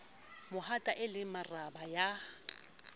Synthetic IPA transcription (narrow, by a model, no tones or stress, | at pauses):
mʊhatʼaʔɪlɪmarabaja